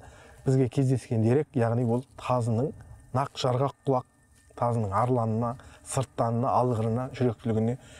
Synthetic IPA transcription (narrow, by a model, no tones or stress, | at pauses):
b̥ɪzɡʲe̞kʲʰe̞zd̪e̞skʲe̞nd̪eɾe̞kʲjɑʁnijwo̞lˠt̪ʰɑzənəɴnɑqʒ̥ɑɾʁɑqʰːʊlˠɑq̚ | t̪ʰɑzənəɴɑɾlˠɑnənɑsəɾt̪ːɑnənɑɑlˠʁəɾənɑʒʏɾe̞k̚t̪ɪlɪɡʲɪne̞